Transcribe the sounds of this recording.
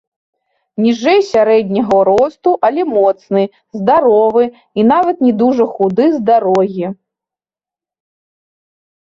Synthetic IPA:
nʲiʐɛjsʲaɾɛd̪ʲnʲɐɣɐɾɔst̪uʔalʲɛmɔt̪snɨ | zd̪aɾɔvɨ | inavɐt̪nʲɛd̪uʐɐxud̪ɨzd̪aɾɔɣʲi

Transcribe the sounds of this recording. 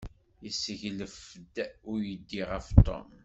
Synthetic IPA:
jəsːəʝləfd̪ʊɾjəd̪ːiʁəft̪ʰˤo̰m

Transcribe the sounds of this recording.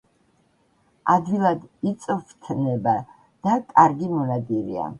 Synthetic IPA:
ad̪vilˠad̪it̪sʼɔft̪ʰnɛba | d̪̥akʼaɾɡimɔnad̪iɾḭa̰

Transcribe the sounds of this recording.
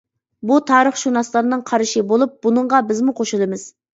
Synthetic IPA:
but̪ʰɑːɾəχʃunɑslˠɑɾɨnɨŋqʰɑɾɨʃɪbolˠup̚bunɨɴʁɑbɪzmuqʰoʃɨlˠɨmɨz̥

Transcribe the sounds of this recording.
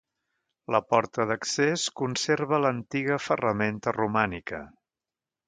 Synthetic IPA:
ləpɔɾt̪əðəkseskunseɾβələnt̪iɣ̞əfərəment̪ərumanikə̰

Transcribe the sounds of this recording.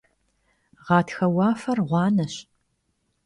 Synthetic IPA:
ʁɑːtʰxɐwɑːfɐrʁʷɑːnɐɕ

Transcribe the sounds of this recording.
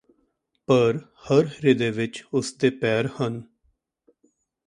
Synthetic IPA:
pəɾ | həɾɾɪd̪eːʋɪt͡ʃʊsd̪eːpɛːɾhən

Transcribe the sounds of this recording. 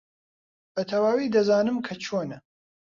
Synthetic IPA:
b̥ɐt̪ʰɐwaːwiːd̪ɐzaːnɨmkʰɐt͡ʃʰoːnɐ

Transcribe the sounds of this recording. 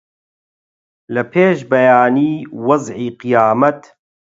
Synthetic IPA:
lɐpʰeːʃbɐjaːniːwɐzʕiːqɨjaːmɐt̪

